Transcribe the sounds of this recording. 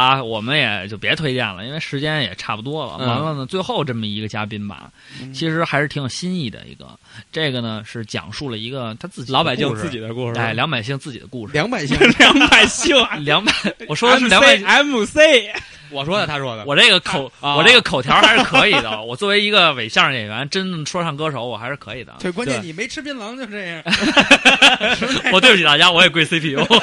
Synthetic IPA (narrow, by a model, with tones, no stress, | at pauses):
ɐ˥˧wɔ˨˩mə˦njɛ̰˨˩t͡ɕjo˥˩ʊpjɛ˧˥t̪ʰwe˥ɪt͡ɕjɛ̰˥˩nlə˩i˥nwe˥˩ɪʂɻ̩˧˥t͡ɕjɛ˥njɛ̰˨˩ʈ͡ʂʰa˥˩pu˨˩t̪wɔ˥lə̰˨ma˧˥ma˥˧nə˩t͡swe˥˧ɪxo˥˧ʊʈ͡ʂə˥˩mə˩i˧˥ɡə˧t͡ɕja˥pi˥nbɐ̰˩ | t͡ɕʰi˧˥ʂɻ̩˧˥xa˧˥ɪʂɻ̩˥˩t̪ʰi˧˥ŋjə˨˩ɕi˥ni˥˩d̪ə̰˩ḭ˧˥ɡə̰˧ | ʈ͡ʂe˥˩ɡə˩nə˩ʂɻ̩˥˩t͡ɕjɑ̰˨˩ŋʂu˥˩lə˩i˧˥ɡə˧t̪ʰa˥t͡sɹ̩˥˩t͡ɕi˨lɑ˧˥ʊpa˨˩ɪɕi˥˧ŋ˥˧ʂt͡sɹ̩˥˩t͡ɕi˨˩d̪ə˦ku˥˩ʂa˥˩ɪljɑ˧˥ŋpa˨˩ɪɕ̬i˥˧ŋt͡sɹ̩˥˩t͡ɕi˨˩d̪ə̰˦ku˥˩ʂɻ̩˧ljɑ˧˥ŋpa˨˩ɪi˥˧ŋjɑ˧˥ŋpa˨˩ɪɕi˥˩ŋljɑ˧˥ŋpa˨˩ɪwɔ˨˩ʂwɔ˥də˧ʂ̩˥˨ljɑ˧˥˧a˧˥mu˨˩se˥˩ɪ | wɔ˨˩ʂwɔ˥d̪ə˨t̪ʰa˥ʂwɔ˥d̪ə̰˧wɔ˨˩ne˥˩ɡə˩kʰo˨˩˦ʊwɔ˨˩ʈ͡ʂe˥˩ɡə˩kʰo˨˩ʊt̪jʰɑ˧˥xa˧˥ʂɻkʰɤ˧˥i˨˩˥d̪ə̰˦wɔ˨˩t͡swɔ˥˩we˧˥ɪi˧˥ɡə˧we˨˩ɪɕjɑ˥˩jɛ˨˩jɥɛ˧˥nʈ͡ʂə˥nd̪ə˨ʂʰwɔ˥ʂɑ˥˩ŋkɤ˥ʂo˧˥ʊwɔ˨˩xa˧˥ɪʂɻ̩˥˩kʰɤ˧˥i˨˩d̪ə̰˦e˥˩kwa˥nt͡ɕɛ˥˩ni˨˩me˧˥ɪʈ͡ʂʰɻ̩˥pʰi˥nlɑ˧˥ŋt͡ɕo˥˧ʊʈ͡ʂjɑ˥˩˧ | ɔ˨˩we˥˩˧u˥˩t͡ɕi˨˩t̪a˥˩t͡ɕja˥wɔ˧˥jɛ˨˩kwe˥ɪse˥pʰi˧˥jo˧˥